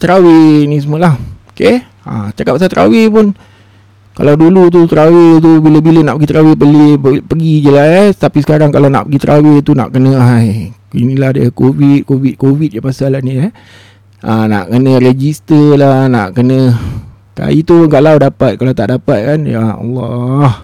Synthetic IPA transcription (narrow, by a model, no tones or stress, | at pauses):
t̪ɾawenĩs̬əmuəlahoke | a̰t͡ʃakapasat̪ɾʔa̰wepʊn | ka̰lawdulut̪̬ut̪ɾawet̪̬ubiləbilənaʔpəɡit̪ɾawepəleəpəɡid͡ʒəlast̪apisə̥kaɾaŋkalawna̰ʔpəɡit̪ɾʔa̰wet̪una̰ʔkənə̃ajkinilahdəkovit̪̚kovit̪̚kovit̪̚japasalahnia | ʔəna̰ʔkənə̃ɾed͡ʒist̪əlana̰ʔkənə̃ | ka̰it̪uŋɡaʔlawdapat̪̚kalawt̪aʔdapat̪̚kanjaŋɑ̰lːɑh